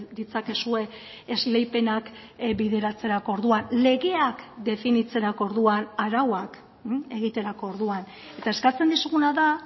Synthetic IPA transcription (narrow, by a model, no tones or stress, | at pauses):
d̪it͡sake̞sue̞ | ezle̞jpe̞nakbiðe̞ɾat͡se̞ɾako̞ɾðuanle̞ɣe̞akd̪e̞finit͡se̞ɾako̞ɾðuanaɾawak | e̞ɣ̞it̪e̞ɾako̞ːɾðuan | e̞t̪ae̞skat͡se̞nd̪isuɣunaða